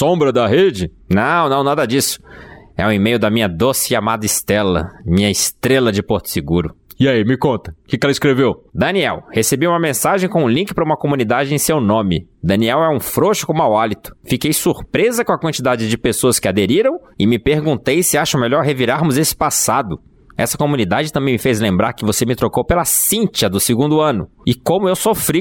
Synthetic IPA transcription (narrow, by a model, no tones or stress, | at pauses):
sõbɾɐd̪ɐɦed͡ʒɪ | nɐ̃w̃nɐ̃w̃nad̪ɐd͡ʒisʊ̥ɛ̰ũẽmejʊd̪ɐmĩɲɐd̪osɪamad̪ɐɪst̪ɛlɐ̰mĩɲɐɪst̪ɾelɐd͡ʒɪpoɾt̪ʊ̥sɪɡuɾʊɪaimɪkõnt̪ɐ̥kɪkɛlɐiskɾevewd̪ɐ̃niɛwhesebiũmɐmẽsaʒẽj̃kõũlĩkɪpɾɐũmɐkomũnid̪ad͡ʒɪẽj̃sewnõmɪ̰d̪ɐ̃niɛwɛũfɾoʃʊ̥kõmʊawalit̪ʊ̥fikejsuɾpɾezɐkõɐkwɐ̃nt͡ʃid̪ad͡ʒɪd͡ʒɪpesoɐskɪad̪eɾiɾɐ̃w̃ɪmɪpeɾɡũt̪ejsɪaʃɐmeʎɔɾɦeviɾaɾmʊzesɪ̥pasad̪ʊ | ɛ̰sɐkomũnid̪ad͡ʒɪt̪ɐ̃mbẽj̃mɪfejzlẽmbɾaɾkɪvosemɪt̪ɾokowpelasĩnt͡ʃɐd̪ʊsɪɡũnd̪ʊɐ̃nʊ | ɪkõmʊewsofɾi